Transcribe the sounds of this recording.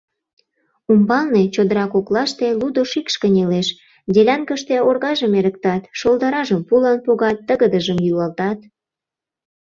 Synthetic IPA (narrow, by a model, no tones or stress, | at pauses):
umbɑlnet͡ɕod̪əɾɑkoklɑʃt̪elud̪oʃikʃkə̆nʲeleʃ | d̪ʲelʲænkəʃt̪eorɣɑʒəmeɾək̚t̪ɑt̪ʃold̪ɑɾɑʒəmpulɑnpoɣɑt̪ːəɣəd̪əʒəmjylɑlt̪ɑt̪̚